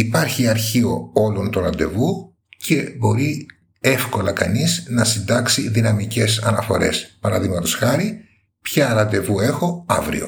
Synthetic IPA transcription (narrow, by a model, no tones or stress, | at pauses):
ipɐɾçiɐɾçio̞o̞lo̞nt̪oɾɐnd̪e̞vu | cʰe̞bo̞ɾi | e̞fko̞lɐkɐniznɐsind̪ɐksiðinɐmice̞sɐnɐfo̞ɾe̞̰spɐɾɐðiɣmɐt̪o̞sxɐɾi | pçɐɾɐnd̪e̞vue̞xo̞ɐ̰vɾḭo̞̰